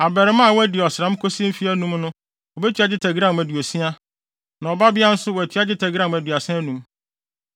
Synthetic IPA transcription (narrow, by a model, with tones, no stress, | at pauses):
a˨bɛ˨ɾɪ˨˦mã˦˨wæ˦di˨ɔ˨sɪ˨ɾã˦m˦kʰo˦si˦fi˦æ˦nũ˦mnʊ̃˦ | ɔ˨bɛ˦tʰi˦a˦d͡ʑɪ˦tʰɛ˨ɡɾã˦˨m˨æ˨dɥo˨sĩ˦a˦ | nã˨ɔ˨ba˦bɪ˦a˦n̩˦sʊ˦wɔ˨æ˨tʰɥa˦d͡ʑɪ˦tʰɛ˨ɡɾã˦˨m˨æ˨dɥa˨sɛ̃˦nũ˨˦m